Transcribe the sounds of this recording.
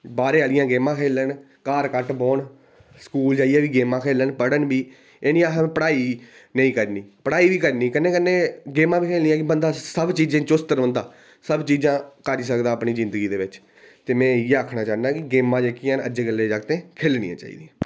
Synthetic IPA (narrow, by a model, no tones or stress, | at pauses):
baːɾeːalɪjãːɡeːmãːkʰeːlən | kaːɾkəʈboːɳ | skuːld͡ʒaːiɛːʋiːɡeːmãːkʰeːlənpəɽənbiː | eːnĩːaɦpəɽaːiː | nə̃ĩːkəɾniːpəɽaːiːbiːkəɾniːkənːẽːkənːẽːɡeːmãːbiːkʰeːlnĩːãːkɪbənd̪aːsəbt͡ʃiːd͡ʒẽːt͡ʃʊst̪əɾə̃nd̪aː | səbt͡ʃiːd͡ʒãːkəɾiːsəkd̪aːpniːzɪ̃nd̪əɡiːd̪eːʋɪt͡ʃ | t̪eːmɛ̃ːjeːəːkʰnaːt͡ʃaːnd̪aːkɪɡeːmãːd͡ʒeːkĩːnə̰d͡ʒeːɡəlːeːd͡ʒaːɡt̪ẽːkʰeːlnḭːã̰ːt͡ʃa̰ːḭːd̪iː